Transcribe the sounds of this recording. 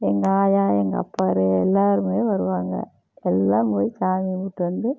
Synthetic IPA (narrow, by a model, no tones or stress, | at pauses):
ɛŋɡɐaːjãːɛŋɡɐɐ̰pːaːɾɯɛlːaːɾɯmeːʋɐɾɯʋaːŋɡɐ̰ | ɛlːaːmpoːjt͡ʃaːmimuʈːʋɐnd̪ɯ